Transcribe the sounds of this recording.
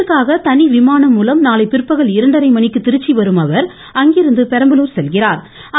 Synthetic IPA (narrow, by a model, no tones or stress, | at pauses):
ɯkːaːɣɐt̪ɐniʋɪmaːnɐmːuːlɐmnaːlɐɪpɪɾɯpːɐɣɐɭɪɾɐɳɖɐɾɐɪmɐnɪkːɯt̪ːɪɾɯt͡ʃːiʋɐɾɯmɐʋɐɾ | ɐŋɡɪɾɯnd̪ɯpɛɾɐmbɐluːɾsɛlɣɪraːɾ | ɐ